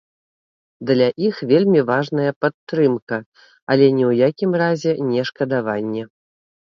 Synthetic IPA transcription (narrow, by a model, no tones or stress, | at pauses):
d̪lʲaʔixvʲelʲmʲivaʐnɐjɐpat̪ːɾɨmkɐ | ɐlʲɛnʲɛwjakʲimrazʲɛnʲɛʂkɐd̪avanʲːɛ